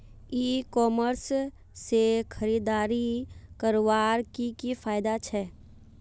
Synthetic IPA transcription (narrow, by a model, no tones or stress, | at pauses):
iːkɔːməɾsː | ekʰəɾiːd̪aːɾikəɾowaːɾkikifʰaːjɪd̪at͡ʃʰɛː